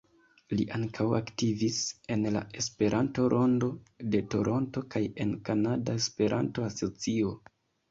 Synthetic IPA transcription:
liʔaŋkʰawaktivise̞nla̰e̞spe̞ɾʔanto̞ɾʔo̞ndo̞de̞to̞ɾʔo̞nto̞kaje̞nkanadaespe̞ɾʔa̰nto̞aso̞t͡sio̞

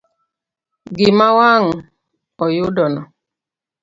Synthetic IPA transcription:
ɡimawaŋ̩ | ɔjudɔnɔ

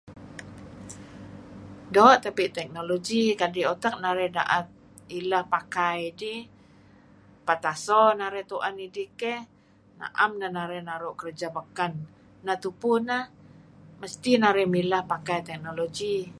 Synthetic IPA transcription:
doʔt̪apiʔt̪ɛk̚noloɡikadiot̪ak̚naɾɛda̰ʔət̪̚ | ilahpakajdi | pat̪asɔnaɾɛt̪uʔanidikɛh | na̰ʔamnahnaɾɛnaɾʊʔkərd͡ʒabəkanː | at̪upunahməst̪inaɾɛmilahpakajt̪ɛk̚noloɡi

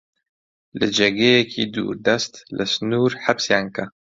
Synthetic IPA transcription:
lɨd͡ʒɛɡeːjɛkʰiːd̪ṵːɾd̪ɐst̪lɨsnuːɾħabsjaːnka

